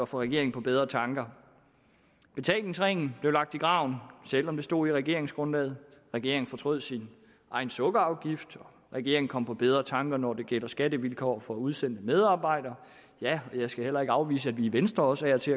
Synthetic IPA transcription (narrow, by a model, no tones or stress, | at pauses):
ɒ̽fɒ̽ʁɛɡ̥e̝ɐ̰eŋ̩pʰɒ̽b̥eð̞ˠʁɐt͡sʰɑ̈ŋɡ̥ɐ | b̥e̝t͡sʰɛ̰ːlne̝ŋsʁeŋ̰n̩b̥le̝ʊlɑ̈ɡ̥̚d̥iɡ̥ʁɑ̈ʊ̰nsel̰ɒ̽md̥e̝sd̥o̝̰ːiʁɛɡ̥e̝ɐ̰e̝ŋsɡ̥ʁɔ̽nlɛːð̞̩ˠʁɛɡ̥e̝ɐeŋn̩fɒ̽t͡sʰʁɔ̽ð̞̰ˠsin | ʔɑ̈ɪn̩sɔ̽ɡ̥əɑ̈ʊɡ̥ifd̥ɒ | ʁɛɡ̥e̝ɐeŋn̩kʰɒ̽mpʰɒ̽b̥eð̞ˠʁɐt͡sʰɑ̈ŋɡ̥ɐnɒd̥e̝ɡ̥el̰ɐsɡ̥æd̥əʋilkʰɒ̰ːfɒ̽uð̞ˠsen̰d̥əmeð̞ˠɑ̈ːb̥ɑ̈ɪ̰d̥ɐ | jæɒ̽jɑ̈ɪsɡ̥æhel̰ɐe̝ɡ̥ɑ̈ʊʋḭːsəæd̥ʋiːʋensd̥ʁɐɒ̽sæɐt͡sʰe̝